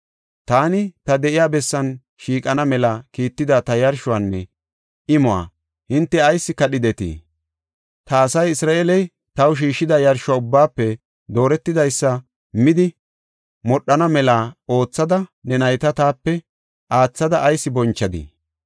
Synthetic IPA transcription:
t̪aːnɪt̪ɐd̪ɛʔɪjaːbɛsːɐn | ʃiːkʼɐnɐmɛlɐkiːt̪ːɪd̪ɐt̪ɐjɐɾʃʊwanːɛ | ɪmʊa̰ː | hɪnt̪ːɛɐjsːɪkɐɗɪd̪ɛt̪ḭː | t̪ɐːsɐjɪsɾaːʔeːlɛj | t̪ɐwʃ̬iːʃːɪd̪ɐjɐɾʃʊwaːʊbːaːpːɛ | d̪o̞ːɾɛt̪ːɪd̪ɐjsːɐ | mɪd̪ɪ | mɔɗːɐnɐmɛlaːo̞ːt͡sːɐd̪ɐnɛnɐjt̪ɐt̪aːpːɛ | ʔaːt͡sːɐd̪ɐʔɐjsːɪbɔnt͡ʃːɐd̪ḭː

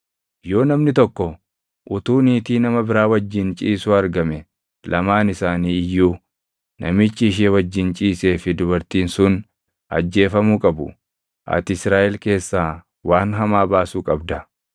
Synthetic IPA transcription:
jo̞ːnɐmnɪt̪ɔkːɔ | ʔʊt̪uːniːt̪iːnɐmɐbɪɾaːwɐd͡ʒːɪnt͡ʃʼiːsuːɐɾɡɐmɛ | lʔɐmaːnɪsaːniːjːuː | nʔɐmɪt͡ʃːɪːʃ̬ewɐd͡ʒːɪnt͡ʃʼiːse̞ːfɪd̪ʊbɐɾt̪iːnsʊn | ɐ̰d͡ʒːe̞ːfɐmukʼɐbʊ̰ | ʔɐ̰t̪ɪsɾaːʔɛlke̞ːsːaː | waːnɦɐmaːbaːsuːkʼɐbd̪ɐ

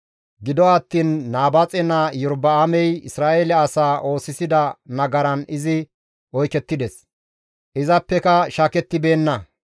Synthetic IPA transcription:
ɡɪd̪ɔɐt̪ːiːnːaːbɐt͡sʼɛnɐjɔɾbɐːmɛjɪ̰sɾaːʔelɛɐsaːʔo̞ːsɪsɪd̪ɐnɐɡɐɾɐnɪzɪ | ɔjkɛt̪ːɪd̪ɛs | ʔɪzɐpːɛkɐʃaːkɛt̪ːɪbe̞ːnːɐ

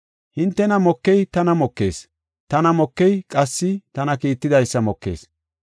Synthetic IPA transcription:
hɪnt̪ːɛnɐmɔkːɛjt̪ɐnɐmɔkːe̞̰ːs | t̪ɐnɐmɔkːɛjkʼɐsːɪt̪ɐnɐkiːt̪ːɪd̪ɐjsːɐmɔkːe̞̰ːs

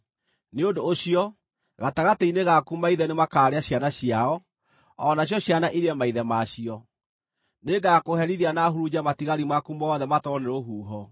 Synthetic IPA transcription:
neondoːɕiɔ | ɣataɣateineɣakumaiðɛnemakaːɾeaɕjanaɕijaɔ | ɔnaɕ̬jɔɕjanaʔiɾeɛmaiðɛmaɕiɔ | neɡakohɛɾiðanaɦuɾud͡ʑamatiɣaɾimakumɔːðɛmatɔneɾoɦuːɦɔ

